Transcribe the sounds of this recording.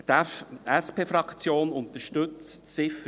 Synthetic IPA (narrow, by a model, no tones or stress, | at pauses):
t̪æfɛspeːfɾɑkt͡sjoːnʊnt̪əʃtɵt͡ssɪfə